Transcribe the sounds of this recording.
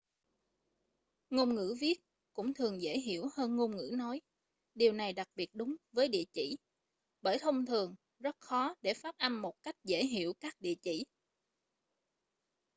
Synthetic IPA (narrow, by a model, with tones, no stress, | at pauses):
ŋo˧nŋɨ̰˧˥vi˦˥ət̚ | kʊ̰˧˥ŋ͡mt̪ʰɨ˨˩əŋzə̰˧˥jɦi˧˩əwhəː˧nŋo˧mŋɨ̰˧˥nɔ˨˦j | ɗi˨˩əwna˨˩jɗa˨˩k̚ɓi˨˩ət̚ɗʊ˨˦ŋ͡mvəː˨˦jɗḭ˧˨ət͡ɕi˧˩˨ | ɓəː˧˩jt̪ʰə˧wŋ͡mt̪ʰɨ˨˩əŋ | zə˦˥t̚xɔ˨˦ɗe˧˩faː˦˥t̚ʔa˧mnmo˨˩t̚ka˦˥jk̟̚zə̰ː˧˥˩ɦi˧˩əwkaː˦˥k̚ɗḭ˧˨ət͡ɕḭ˧˩